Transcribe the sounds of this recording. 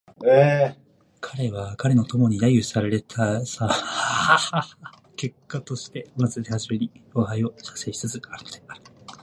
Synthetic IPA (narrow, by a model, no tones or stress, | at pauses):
e | kʰaɾe̞βakaɾe̞no̞t̪o̞mo̞ɲ̟id̪ajɯsaɾaɾe̞t̪ʰasa | ke̞kːat̪o̞ɕi̥t̪e̞mazɨd̪ehaʑime̞ɲ̟ioːɦaio̞ɕḁsei̥sɨzɨaɾɯt̪eaɾɯ̥